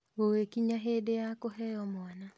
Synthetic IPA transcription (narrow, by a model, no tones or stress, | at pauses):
ɣowekiɲaɦedejakoɦɛjɔmwana